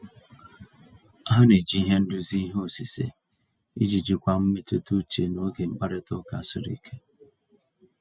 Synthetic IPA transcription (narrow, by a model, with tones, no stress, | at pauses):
a˦ɦa˦ne˨d͡ʒi˦i˦ɦe˦n̩˦dʊ˦zi˦i˦ɦo˨si˨sḛ˨ | ḭ˦d͡ʒi˨d͡ʒi˨kʷa˨m̩˦me˦tʊ˦tu˦t͡ʃe˨no˦ɡe˨ŋ͡m̩˦k͡pa˦ɾɪ˦tʊ˦ka̰˨sɪ˨ɾḭ˨kʰe˦